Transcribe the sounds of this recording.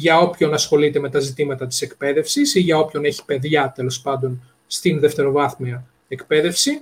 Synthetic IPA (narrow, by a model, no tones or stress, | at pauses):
ʝɐo̞pço̞nɐsxo̞lit̪e̞me̞t̪ɐzit̪imɐt̪ɐt̪i̥se̞kpe̞ðe̞fsisiʝɐo̞pço̞ne̞çi̥pe̞ðʝɐt̪e̞lo̞spɐnd̪o̞n | st̪inðe̞ft̪e̞ɾo̞vɐθmeɐ | ekpe̞ðe̞fsi